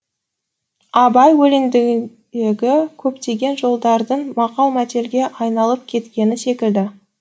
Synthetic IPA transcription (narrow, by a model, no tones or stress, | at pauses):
ɑbɑjwɵlɪmd̪ɪɡɪ | eɡʲɪkʲʰɵpt̪e̞ɡʲe̞nʒo̞lˠd̪ɑɾd̪əɴmɑqɑlˠmæt̪e̞lɡʲe̞ʔɑjnɑlˠəp̚kʲʰe̞t̪kʲe̞nɪnse̞kʲɪld̪ɪ